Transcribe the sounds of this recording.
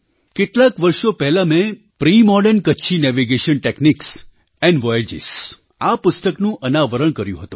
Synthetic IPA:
keʈlakʋəɾʃopɛɦlamẽ | pɾimɔɖənkətːʃʰinɛʋiɡeʃənʈekniks | ɛɳɖʋɔjed͡ʒḭs | apʊst̪əknũʔənaʋəɾəɳ̃kəɾjṵ̃ɦət̪ũ

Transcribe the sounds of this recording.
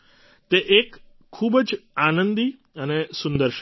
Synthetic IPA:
t̪eʔeːkʰː | uːbəd͡ʒanə̃nd̪i | ənesund̪əɾʃ

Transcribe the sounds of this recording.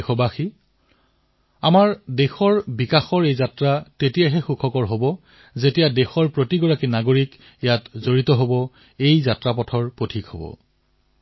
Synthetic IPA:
xɔbaxi | amaɹdexɔɹbikaxɔɹejzatɹatetijaɦɛxukʰɔkɔɹɦobɔ | zetijadexɔɹpɹotiɡɔɹakinaɡoɹik | jatzoɹitɔɦobɔ | ejzatɹap̬ɔtʰɔɹpotʰikhobɔ̰

